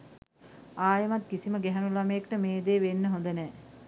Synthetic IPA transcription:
aːjəmat̪kisiməɡɛɦænulaməjekʈəmeːd̪eːʋenːəɦond̪ənɛː

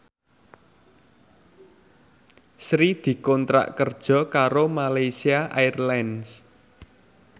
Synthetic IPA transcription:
sɾid̪̥i̤kɔnt̪ɾa̰ʔkərd̥ʒ̥ɔ̤kaɾomalajsiaʔajrlans

